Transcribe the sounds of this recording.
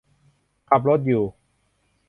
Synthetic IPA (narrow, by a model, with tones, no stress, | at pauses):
kʰa˨˩p̬̚ɾo˦˥t̪̚juː˨˩